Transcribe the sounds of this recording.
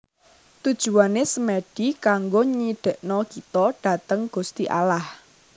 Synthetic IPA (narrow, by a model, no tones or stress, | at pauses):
t̪ud̥ʒ̥ṳanesəmɛɖ̥ikaŋɡoɲiɖ̥ə̤ʔnɔkit̪ɔɖ̥a̤t̪əŋɡ̥ṳst̪iʔa̰lah